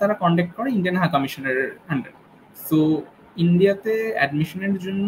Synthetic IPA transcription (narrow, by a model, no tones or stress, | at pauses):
t̪aɾakɔɳɖek̚ʈ̚kɔɾeinɖijanɦakɔmiʃoneɾaɳɖeɾ | so | inɖijat̪eɛ̰ɖmiʃoneɾd͡ʑonː